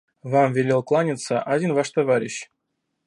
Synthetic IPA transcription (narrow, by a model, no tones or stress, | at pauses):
vamvʲɪlʲelˠklˠanʲɪt̪səʔɐdʲinvaʂt̪ɐvaɾʲɪɕ